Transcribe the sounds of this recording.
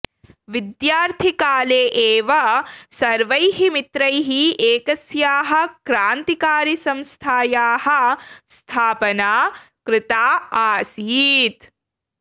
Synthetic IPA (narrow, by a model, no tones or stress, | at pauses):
ʋid̪jaːɾt̪ʰikaːleːʔeːʋɐsɐɾʋɐjɦimit̪ɾɐjɦieːkɐsjaːɦɐ̆kɾaːnt̪ikaːɾisɐmst̪ʰaːjaːhɐ̆st̪ʰaːpɐnaː | kɾɪt̪aːaːsiːt̪